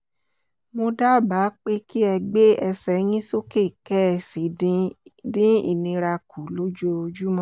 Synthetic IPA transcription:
mo˧da˦˨ba˨˦k͡pe˦ki˦ɛ˧ɡ͡be˦ɛ˧sɛ˨˦j̃ĩ˦so˦ke˦˨kɛ˦˧˨si˨˦dĩ˦ḭ˨nĩ˧ɾa˧kʰu˨˦lo˦d͡ʒo˦˧d͡ʒu˦mɔ̃˦

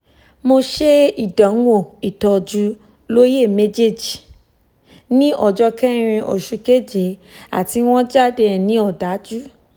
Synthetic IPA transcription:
mo˧ʃe˦i˦˨da˨˦wo˦˨i˨tɔ˧d͡ʒu˧ | lo˦je˦˨me˦d͡ʒe˦˨d͡ʒi˨ | nĩ˦ʔɔ˨d͡ʒɔ˧kɛ˦ɾ̃ĩ˧ʔo̰˨ʃu˧ke˦d͡ʒe˨˦a̰˦˨ti˧w̃ɔ̃˦d͡ʒa˦˨de˧˨nĩ˨˦ɔ˦˨da˨˦d͡ʒu˦

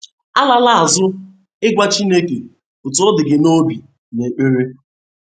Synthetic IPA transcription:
a˦la˦la˦a˨zʊ˦ | ɪ˦ɡʷa˦t͡ʃi˦ne˦ke˨ | ʊ˨tʊ˨˦ʊ˦dɪ˨ɡɪ˨no˦bi˨ | ne˨k͡pe˦ɾe˦

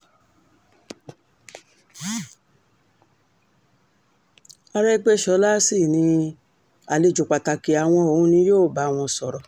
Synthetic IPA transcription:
a˧ɾɛ˦ɡ͡be˦ʃɔ˧˦la˦si˦˨nĩ˧ | a˨le˧˨d͡ʒu˨k͡pa˨ta˧˨ki˨a˨w̃ɔ̃˧o˨ũ˦nĩ˧˦joː˦˨ba˨˧˦w̃ɔ̃˧sɔ˨ɾɔ˨

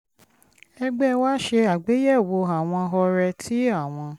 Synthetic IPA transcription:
ɛ˧ɡ͡bɛ˦wa˦ʃe˧a˨ɡ͡be˨˦jɛ˦˨wo˧a˨w̃ɔ̃˧ɦɔ˧ɾɛ˧tʰi˦a˦˨w̃ɔ̃˧

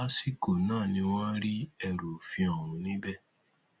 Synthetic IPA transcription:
a˦si˦˨ko˨nãː˦˨nĩ˧w̃ã˦ɾi˦ɛ˧ɾo˨fi˧ɔ˨w̃ũ˧nĩ˦bɛ˦

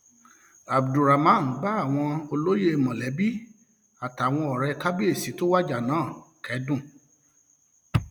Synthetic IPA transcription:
a˨bdu˨ɾa˨mã˦n̩˨˦ɡ͡ba˦a˦˨w̃ɔ̃˧o˧lo˦je˦˧˨mɔ̃˨lɛ˨˦bi˦ | a˨ta˨w̃ɔ̃˧ɔ˨ɾɛ˧ka˦bi˦e˦˨si˨˦to˦wa˦d͡ʒa˦˨nãː˨˦˨kɛ˨˦dũ˦˨

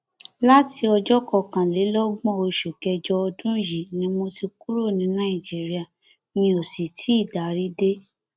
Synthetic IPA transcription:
la˦ti˧ɔ˧d͡ʒɔ˦kɔ˦˨kã˨le˨˦lɔ˦ɡ͡bɔ̃˦o˧ʃu˨kɛ˧d͡ʒɔ˧ɔ˧dũ˦ji˨nĩ˨˧˦mo˧ti˧ku˦ɾo˦˨nĩ˨˧˦nã˦i˦˨d͡ʒi˦ɾi˦a˨ | nĩ˧o˨si˨tʰi˨˦i˦˨da˨ɾi˦de˦

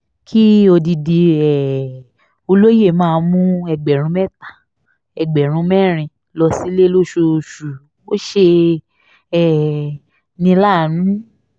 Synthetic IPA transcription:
kʰi˦o˧di˧di˧ɛ˨ | o˧lo˦je˦˨mãː˦˧˦mũ˦ɛ˧˨ɡ͡bɛ˨ɾ̃ũ˨˦mɛ˦˨tḁ˨ | ɛ˨ɡ͡bɛ˨ɾ̃ũ˧˦mɛ˦˨ɾ̃ĩ˧ | lɔ˧si˦le˦lo˦˨ʃo˧ʃu˨ | o˦ʃe˧ | ɛ˨ | nĩ˧la˦˨nũ˨˦

